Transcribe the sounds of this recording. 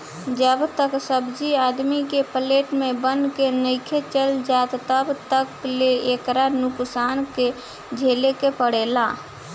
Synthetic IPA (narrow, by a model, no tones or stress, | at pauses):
d͡ʒəbt̪əksəbd͡ʒiaːd̪mikepəleːʈmẽbənkenəɪkʰet͡ʃəld͡ʒaːt̪t̪əbt̪əkleekɾanʊksaːnke | d͡ʒʱeːlekepəɽeːlaː